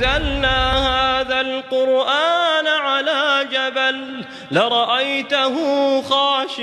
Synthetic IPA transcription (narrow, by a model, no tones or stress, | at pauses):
alnaːhaːðalqʊɾʔaːnaʕalaːd͡ʒabalː | ɪɾˤɑʔajt̪aɦʊxaːʃ